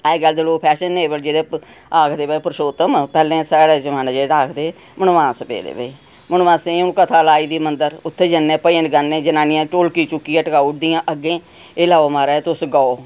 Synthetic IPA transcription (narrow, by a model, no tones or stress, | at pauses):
ɛɡəld̪eːloːk̚pʰɛːʃənːeːbəld͡ʒeːɽeː | aːkʰd̪eːbəiːpəɾʃoːt̪əmpɛːlẽːsɛːɽɛːd͡ʒəmãːnãːd͡ʒeːaːkʰd̪eː | mənʋãːsbḛːd̪ḛːbəiː | mənʋãːsẽnũːkət̪ʰaːlaːiːd̪iːmənd̪əɾʊt̪ʰːeːd͡ʒənːẽːpəiːə̃nɡənːẽːd͡ʒənãːnɪjãːʈoːlkiːt͡ʃʊkːiːãːʈəkaːuʈ̚d̪ijãːʔəɡẽː | eːlaːoːmaːɾaːt̪ʊsɡaoː